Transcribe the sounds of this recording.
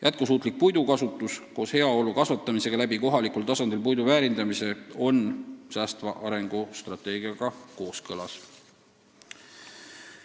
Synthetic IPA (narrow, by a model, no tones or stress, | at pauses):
jʔæt̪̚kus̬uːt̪ˑlik̚pujd̪ukɑsut̪ːˑusko̞ːshe̞ɑo̞lukɑsvɑt̪ˑːɑmise̞ɡ̥ɑlæbiko̞ɦɑlikult̪ɑsɑnd̪̥ilpujd̪uvæːɾind̪ɑmise̞o̞nsæːst̪vɑʔɑɾe̞ŋɡ̥ust̪rɑt̪ːˑe̞ːɡ̥iɑɡ̥ɑko̞ːskɤlɑs